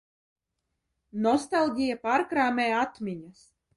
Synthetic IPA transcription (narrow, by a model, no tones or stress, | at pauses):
nɔst̪alˠɡʲijapaːɾkɾaːmʲeːat̪mʲiɲas